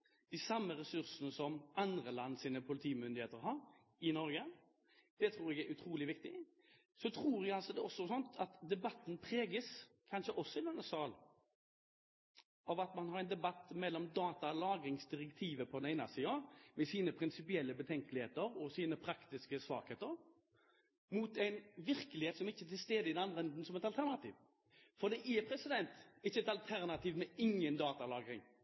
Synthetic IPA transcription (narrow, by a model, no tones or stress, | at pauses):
d̪̥æsɑmːəɾɛsʉɾsənəsɔmʔɑnd̪ɾəlɑnːsiːnəpʰʊlɪt̪ʰiːmʏnd̪ɪheːt̪əɾɦɑɾ | ɪnɔɾɡə | d̪̥ɛt̪ʰɾuːɾɛɡæɾʉt̪ʰɾuːlɪʋɪkt̪ɪ | sɔt̪ʰɾuːɾɛɡɑlsɔd̪ɛɔsːɔsɔnt̪ʰɑt̪d̪ɛbɑt̪ːn̩pʰɾeːɡəs | kʰɑnʂəʔɔsːɔɪd̪ɛnːəsɑːl | ɑʋɑt̪mɑnhɑɾɛɪnd̪ɛbɑt̪ːmɛlːɔmd̪ɑːt̪ɑlɑːɡɾɪŋsd̪ɪʁɛkt̪ʰiːʋəpʰɔd̪ɛnæɪnɑ̰siːɑmɛsiːnəpʰɾɪnsɪpɪɛlːəbət̪ʰɛŋkəlɪhḛːt̪əɾɔsiːnəpʰɾɑkt̪ɪskəsʋɑ̰ːkheːt̪əɾ | muːt̪æɪnʋɪʁkəlɪheːt̪sɔmɪçːət̪ʰɪlst̪eːd̪əɪd̪ɛnɑnd̪ʁəɛnd̪n̩sɔmɛt̪ɑlt̪ʰæʁnɑt̪ʰḭːʋ | fɔʁd̪ɛʔɛpʰɾɛsɪd̪ɛnt̪ɪçːəɛt̪ɑlt̪ʰæʁnɑt̪ʰiːʋmɛɪŋːənd̪ɑːt̪ɑlɑːɡɾɪ̰ŋ